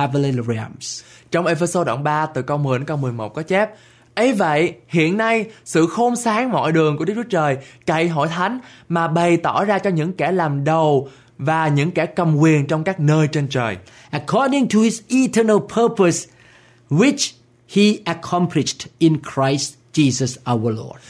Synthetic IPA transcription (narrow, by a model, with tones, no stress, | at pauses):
avleɹiə̰mst͡ɕɔ˧wŋ͡mʔe˧fə˧so˧ɗa̰˧˩ŋ͡mɓaː˧t̪ɨ˨˩kə˧wmɨ˨˩˦kə˧wmɨ˨˩əjmo˨˩t̚kɔ˨˦t͡ɕɛ˦˥p̚ | ʔə˨˦jvə̰˧˨jhḭ˧˨ənːa˧jsɨ̰˧˨xo˧msaː˨˦ŋmɔ̰˧˨jɗɨ˨˩əŋku˧˩ɗɨ˦˥k̚u˦t͡ɕəː˨˩jka̰˧˨jɦo̰˧˨jt̪ʰa˨˦jŋ̟maː˨˩ɓa˨˩jt̪ɔ˧˩zaː˧t͡ɕɔ˧ɲɨ̰˧˥ŋkɛ˧˩laː˨˩mɗə˨˩w | vaː˨˩ɲɨ̰˧˥ŋkɛ˧˩kə˨˩mkwi˨˩ənt͡ɕɔ˧wŋ͡mkaː˦˥k̚nəː˧jt͡ɕe˧nt͡ɕəː˨˩j | ʔə˨˩kʰɔ˧ɗi˧ŋtʰu˨hi˨zʔi˧tʰə˧nə˧lpʰəː˧pə˨s | wi˦˥t͡ʃ | hi˧ʔə˨˩kʰɔ˧mpʰli˨ʃtʔi˨nkʰɹa˧˥jst | t͡ɕi˧zə˧sʔa˧wə˨˩lɔ̰˧˩d̚